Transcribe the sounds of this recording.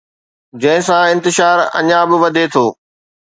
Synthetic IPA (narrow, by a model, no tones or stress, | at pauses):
d͡ʑɐ̃ɦɪ̃sãɪ̃nt̪ɪʃaːɾɐ̰ɲãbɪʋɐd̪ʱet̪ʰoː